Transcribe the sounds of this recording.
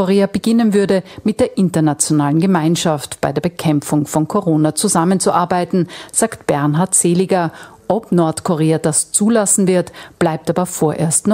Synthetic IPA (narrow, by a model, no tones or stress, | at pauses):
oʁeːabəɡɪnənvʏɐdəmɪt̚d̥eːɐʔɪntɐnat͡sjonaːlənɡəmaɪnʃaftb̥aɪdeːɐbəkʰɛmp͡fʊŋfɔnkʰoʁoːnat͡suzamənt͡suʔaɐbaɪtn̩z̥aːktb̥ɛɐnɦaɐtz̥eːlɪɡɐ | ʔɔpnɔɐtkʰoʁeːadast͡suːlasn̩vɪɐtb̥laɪp̚taːbɐfoːɐʔḛːɐstnɔ